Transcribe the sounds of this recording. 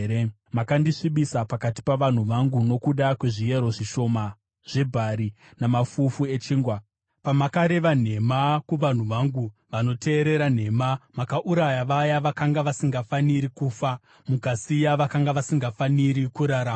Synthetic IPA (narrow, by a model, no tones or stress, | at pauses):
ɾ | makandiʂiɓisapakati̥paʋan̤uʋaŋɡuno̞kuɗakwe̞ʐije̞ɾo̞ʐiʃo̞ma | ʐ̥e̞bʱaɾi | namafufue̞t͡ʃiːŋɡwa | pamakaɾe̞ʋan̤e̞makuʋan̤uʋaŋɡuʋano̞tʰe̞ːɾe̞ɾan̤e̞mamakaʔuɾajaʋajaʋakaŋɡaʋasiŋɡafaniɾikuːfa | mukasijaʋakaŋɡaʋasiŋɡafaniɾikuɾaɾam